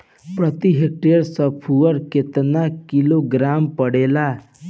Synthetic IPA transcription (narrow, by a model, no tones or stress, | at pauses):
pɾət̪iɦek̚ʈeəɾsəpʰuʋəɾket̪nakiloɡɾampəɽela